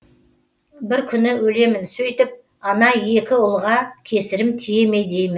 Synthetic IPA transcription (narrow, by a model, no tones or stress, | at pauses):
bɪɾkʲʰʏnɪwɵle̞mɪnsɵjt̪ɪp̚ | ɑnɑje̞kʲɪʊlˠʁɑkʲʰe̞sɪɾɪmt̪ʰije̞me̞jd̪e̞jmɪn